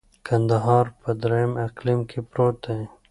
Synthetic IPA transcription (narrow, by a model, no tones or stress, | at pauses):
kɐnd̪ɐɦɑːɾpɐd̪ɾɐimɐqlimkipɾoːt̪ẽ